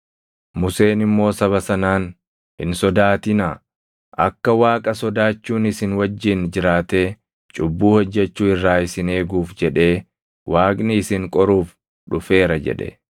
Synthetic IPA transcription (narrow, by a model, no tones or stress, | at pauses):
mʊse̞ːnɪmːo̞ːsɐβɐsɐnaːn | hɪ̰nsɔd̪aːt̪ɪnaː | ʔɐ̰kːɐwaːkʼɐsɔd̪aːt͡ʃːuːnɪsɪnwɐd͡ʒːɪnd͡ʒɪɾaːt̪e̞ː | t͡ʃʼʊbːuːhɔd͡ʒːɛt͡ʃːuːɪrːaːɪsɪne̞ːɡuːfd͡ʒɛᶑe̞ː | waːkʼnɪɪsɪŋkʼɔɾuːf | ᶑʊfe̞ːɾɐd͡ʒɛ̰ᶑɛ̰